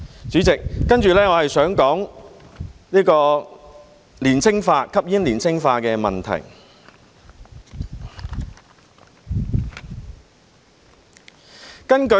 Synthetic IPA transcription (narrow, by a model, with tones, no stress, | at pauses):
t͡ʃyː˨˥t͡sɪ˨kːɐ˥nt͡ʃyː˨lɛː˥ŋɔː˨˧hɐ˨jsœː˨˥ŋkɔː˨˥ŋ | liː˥kɔː˧ | liː˨˩nt͡sʰɪ˥ŋfaː˧kʰɐ˥p̚jɪ˥nliː˨˩nt͡ssʰɪ˥ŋfaː˧kɛː˧mɐ̰˨˩nt̪ʰɐ̰˨˩j | kɐ˥nkɵ˧